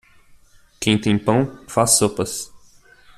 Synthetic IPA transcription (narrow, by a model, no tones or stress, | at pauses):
kẽj̃t̪ẽj̃pɐ̃w̃fasːopɐs